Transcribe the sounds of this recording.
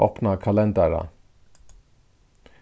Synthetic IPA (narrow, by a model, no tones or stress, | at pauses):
opnakʰɑlɛnd̪æɾa̰